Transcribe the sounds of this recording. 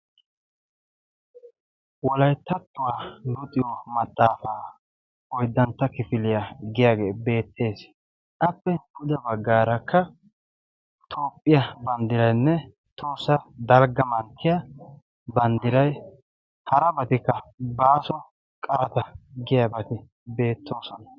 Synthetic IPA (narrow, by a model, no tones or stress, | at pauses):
wɔlɐjt̪ːɐt̪ːʊwaːlʊt̪ʼɪjɔmɐt̪ʼːaːfaː | ɔjd̪ːɐnt̪ːɐkɪfɪlɪjaɡɪjaːɡe̞ːbe̞ːt̪ːe̞ːs | ʔɐpːɛʊʊd̪ɐbɐɡːaːɾɐkʰːɐ | t̪ʰoːpʼːɪjɐbɐnd̪ɪɾɐjnːɛ | t̪ʰoːsːɐd̪ɐlɡɐmɐnt̪ʰːɪjɐ | bɐnd̪ɪɾɐj | hɐɾɐbɐt̪ɪkːɐbaːsɔ | kʼɐɾɐt̪ɐɡɪjɐbɐt̪ɪ | be̞ːt̪ʰːo̞ːsɔnɐ